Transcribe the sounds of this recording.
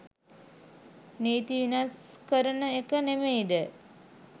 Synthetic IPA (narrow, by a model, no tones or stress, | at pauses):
neːt̪iʋinaskəɾənəekənemeːd̪ə